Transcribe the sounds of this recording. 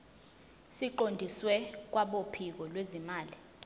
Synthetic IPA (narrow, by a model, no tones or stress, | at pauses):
siǃondʱiswɛk̬waɓopʰik̬ɔlwezimaːli